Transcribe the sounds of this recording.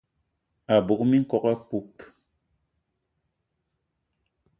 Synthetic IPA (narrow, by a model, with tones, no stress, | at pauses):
a˨bu˨k̚mi˦ŋ̩˦kɔ˦ka˦pu˦p